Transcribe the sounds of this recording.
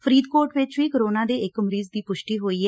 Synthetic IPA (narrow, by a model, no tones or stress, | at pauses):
pʰəɾiːd̪koːɾʈʋɪt͡ʃʋiːkəɾoːnãːd̪eːɪkməɾiːzd̪iːpʊʃʈiːɦoːiːɦɛ